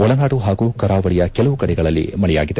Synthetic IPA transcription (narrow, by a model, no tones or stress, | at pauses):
ɔɭɐnaːʈuɦaːɡuːkɐɾaːʋɐɭijɐkɛlɐʋukɐɽɛɡɐɭɐlːḭmɐɭɛja̰ːɡid̪e